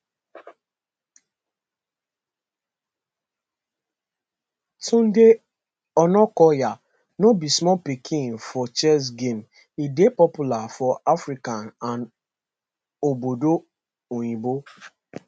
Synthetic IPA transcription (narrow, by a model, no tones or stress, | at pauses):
tʰũn̩de | ɔnɔkɔja | nobismɔpikʰĩŋfɔt͡ʃɛs̬ɡem | idepɔpulafɔafɾikanan | obodo | oɲibo